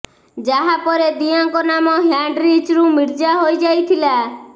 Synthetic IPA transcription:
d͡ʒaɦapɔɾed̪ijaŋkɔnamɔɦjaɳɖɾiːt͡ʃɾumiɽd͡ʒaɦojd͡ʒajt̪ʰila

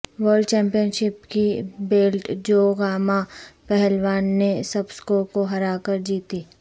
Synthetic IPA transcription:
ʋəɾɖt͡ʃɛ̃ːmpijənʃɪpkibeːlʈd͡ʒoːɡaːmapɛɦɛlwaːnːesɐbskoːkoɦɐɾaːkəɾd͡ʒiːt̪iː

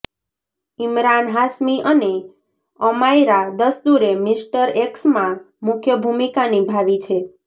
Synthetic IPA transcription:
imɾanɦasmiʔəne | əmajɾad̪əsd̪uɾemisʈəɾeksmã | mʊkʰjəbʱumikanibʱaʋit͡ʃʰe

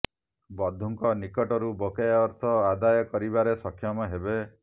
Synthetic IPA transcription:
bɔd̪ʱuŋkɔnikɔʈɔɾubokajaɔɾt̪ʰɔad̪ajɔkɔɾibaɾesɔkʰjɔmɔɦebe

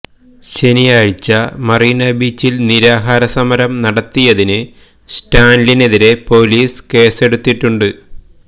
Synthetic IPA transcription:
ɕe̞nijaːɻit͡ɕːɐmɐriːnɐbiːt͡ɕːilniɾaːɦaːɾɐsɐmɐɾɐmnɐɽɐt̪ːijɐðinɨ | sʈaːnline̞ðiɾe̞po̞ːliːske̞ːse̞ɽut̪ːiʈːuɳɖɨ

